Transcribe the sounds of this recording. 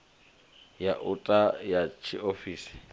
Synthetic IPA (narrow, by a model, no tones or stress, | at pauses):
jaʔʊtʼajat͡ʃʰiʔofiːsɪ̥